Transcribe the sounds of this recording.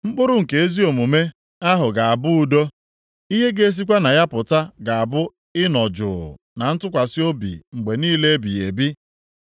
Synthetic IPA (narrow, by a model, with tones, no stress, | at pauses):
ŋ͡m̩˦k͡pʊ˦ɾʊ˦ŋ̩˨ke˨e˦zi˦o˨mu˨me˦ | a˦ɦʊ˨ɡa˨a˨bʊ˦u˨do˦ | i˦ɦe˦ɡe˦e˦s̬i˦kʷa˦na˨ja˦pʊ˨ta˦ɡa˨a˨bʊ˦ | ɪ˦nɔ˨d͡ʒʊ̰˨ʊ̰˨ | na˨n̩˦tʊ˦kʷa˨sɪ˦o˦bḭ˨ŋ͡m̩˨ɡ͡be˨niː˦le˦bi˨e˨bi˦